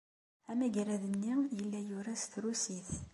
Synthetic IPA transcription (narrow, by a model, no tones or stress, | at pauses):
æmæʝɾæðənːijəlːæjʊɾæsθɾusiθ